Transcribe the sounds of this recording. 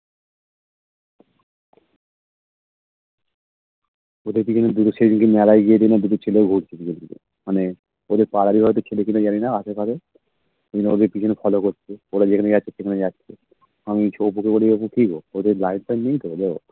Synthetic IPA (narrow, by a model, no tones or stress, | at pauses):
od̪eɾpit͡ʃʰoned̪ut̪oʃed͡ʑinkemɛlajɡijed̪inad̪ut̪̬ot͡ɕʰeleoɡʱuʈt͡ɕʰed̪ield̪inḛ | mane | od̪eɾpaɾaɾiɦɔet̪̬okʰelekinad͡ʑaninaaʃekaɾe | ed̪ineod̪eɾpit͡ɕʰonefʰɔlokoɾt͡ʃʰeoɽad͡ʑekʰaned͡ʑatːɕʰeʃekʰaned͡ʑatːɕʰe | amit͡ʃʰop̬ukeboliopuʈʰikood̪eɾlajnpajniŋt̪od̪e